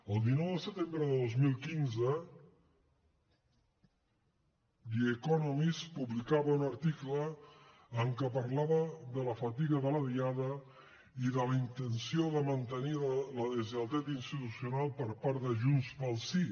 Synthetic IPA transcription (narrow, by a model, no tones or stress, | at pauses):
əlˠd̪inɔwðəsət̪embɾəðəðozmilˠkinzə | diəkɔnɔmispuβlikaβəunəɾt̪ikləː | ŋkəpəɾlaβəðələfət̪iɣəðələðiaðə | iðələint̪ənsioðəmənt̪əniləðəziəlˠt̪ɛt̪inst̪it̪usjiunalˠpəɾpaɾðəʒunspəlˠsi